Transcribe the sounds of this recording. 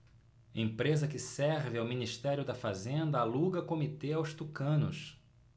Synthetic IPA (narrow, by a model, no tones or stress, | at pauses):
ḛ̃pɾezɐkɪsɛɾvɪawminiʃt̪ɛɾʲjʊd̪ɐfazẽnd̪ɐaluɡɐkomit̪eawst̪ukɐ̃nʊs